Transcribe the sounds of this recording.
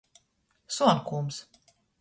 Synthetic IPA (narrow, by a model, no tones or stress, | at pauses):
suɔnkums